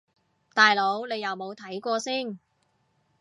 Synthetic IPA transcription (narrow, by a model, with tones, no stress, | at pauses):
t̪aː˨jlo˨˥wne˨˧jɐ˨˩wmo˨˧wt̪ʰɐ˨˥jkʷɔː˧siː˥˩n